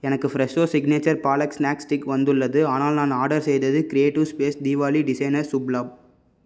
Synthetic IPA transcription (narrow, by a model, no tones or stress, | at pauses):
ɛnɐkːɯfɾɛsoːsɪɡneːt͡ʃɐɾpaːlɐksnaːksʈɪkʋɐnd̪ɯɭːɐðɯaːnaːlnãːnaːɖɐɾsɛjðɐðɯkɾɪeːʈɪʋspeːsd̪iːʋaːliɖɪsɐjnɐɾsʊblaːb̚